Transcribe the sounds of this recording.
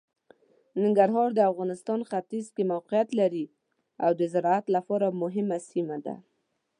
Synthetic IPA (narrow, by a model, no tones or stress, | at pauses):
nɪŋɡaɾɦɑɾd̪əafɣɑnɪst̪ɑnxat̪izkemawqɪjat̪laɾi | awd̪əzɪɾɑat̪lafɑɾamʊɦɪmasimad̪a̰